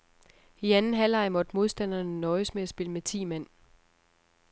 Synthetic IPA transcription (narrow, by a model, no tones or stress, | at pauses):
iænn̩ɦælɑ̈ɪmɒ̽d̥mo̝ðˠsd̥æn̰ɐnənɒ̽ɪsmeæsb̥e̝ləmet͡sʰḭːmæn̰